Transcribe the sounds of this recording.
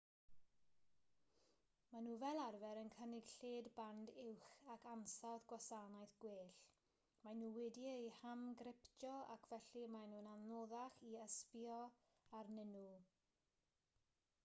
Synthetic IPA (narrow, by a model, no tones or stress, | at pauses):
manuːvɛlˠarvɛɾənkʰənɪɡ̥ɬeːdbandɪwχakʰansaðɡwasanajθɡ̥weːɬ | manuːwɪdiəjhamɡɾɪpd͡ʒɔa̰kʰvɛɬimanuːnanloðaχiəspjɔ | arnɪnu